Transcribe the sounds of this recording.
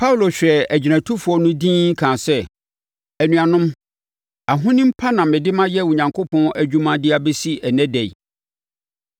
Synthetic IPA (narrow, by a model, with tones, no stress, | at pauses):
pʰa˦wlo˨ɕᶣɛ˨æ˨d͡ʑi˨næ̃˨tʰu˦fu˨ɔ˦nʊ̃˦dĩː˦ŋ̩˦kʰãː˨sɛ˦˨ | æ˨nũ˨a˨nʊ̃˦m | a˨ɦʊ̃˦nɪ̃˦m̩˦pʰa˦nã˨mɪ̃˨dɪ˦mã˦jɛ˦wʊ˨ɲã˨ŋkʰo˦pʰɔ̃˦ʔæ˨d͡ʑᶣu˦mã˦dɪ˦a˦bɛ˦si˦æ˨nɛ̃˦dɛ˨j̰